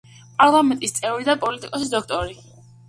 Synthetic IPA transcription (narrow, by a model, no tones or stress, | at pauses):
pʼaɾlˠamɛnt̪ʼist̪sʼɛvɾid̪apʼɔlit̪ʼikʼɔsid̪ɔkʰt̪ʼɔɾi